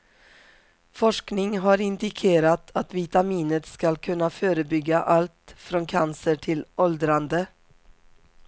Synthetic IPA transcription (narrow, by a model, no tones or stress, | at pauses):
fɔʂknɪŋɦaɾɪnd̪ɪkʰeːɾat̪ʰat̪vɪt̪amiːnət̪skalkʰɵnːaføːɾəbʏɡːaʔalt̪fɾɔnkʰansəʈʰɪlɔld̪ɾand̪ə